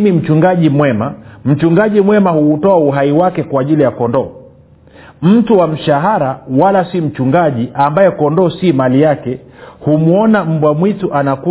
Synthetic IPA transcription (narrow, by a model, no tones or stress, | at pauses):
mim̩t͡ʃuŋɡaʄimwɛmam̩t͡ʃuŋɡaʄimwɛmahuːtɔauɦaiwakɛkwaːʄilijakɔndɔ | m̩tuwam̩ʃaɦaɾawalasim̩t͡ʃuŋɡaʄiʔambajɛkɔndɔsimalijakɛhumuɔnam̩bwamwituʔanaku